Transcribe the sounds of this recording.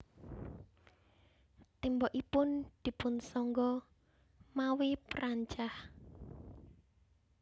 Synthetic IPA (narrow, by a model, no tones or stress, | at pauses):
t̪embɔʔipʊnd̪̥i̤pʊnsɔŋɡɔ | mawipəɾaɲt͡ʃah